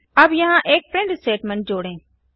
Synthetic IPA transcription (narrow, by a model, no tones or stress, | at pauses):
ɐbjɐɦãʔeːk̚pɾẽːɳɖsʈeːʈmẽɳʈ̚d͡ʑoːɽẽː